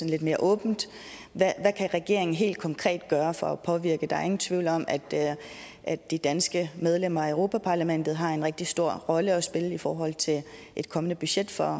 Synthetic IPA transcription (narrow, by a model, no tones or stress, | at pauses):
sɒ̽n̩le̝d̥me̝ːɐʔɔ̽ːb̥n̩d̥ | ʋæʋækʰæʁɛɡ̥e̝ɐ̰e̝ŋn̩ɦe̝̰ːld̥̚kʰɒ̽ŋkʰʁɛ̰ːd̥ɡ̥ɶːɐfɒɒpʰɒ̽ʋiɐɡ̥əd̥ɑ̈æɐe̝ŋn̩t͡sʰʋiʊlɒ̽mʔæd̥ | ʔædd̥id̥ænsɡ̥əmeð̞ˠlem̰ɐøʊʁo̝ːpʰæpʰɑ̈læmen̰d̥ð̞̩ˠɦɑ̈e̝nʁeɡ̥̚d̥isd̥o̝ɐ̰ʁɒ̽ləɒ̽sb̥e̝ləifɒːɦɒ̽l̰t͡sʰe̝l | ʔe̝d̥kʰɒ̽mənəb̥yɕed̥fɒ